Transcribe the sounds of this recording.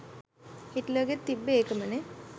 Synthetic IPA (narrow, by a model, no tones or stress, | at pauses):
hitləɡet̪ːibːeeːkəməne